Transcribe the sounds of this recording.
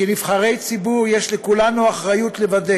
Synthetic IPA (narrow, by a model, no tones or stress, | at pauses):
eniv̥χaʁejt͡sibuʁjeʃlekulanuaχʁajut̪levad̪e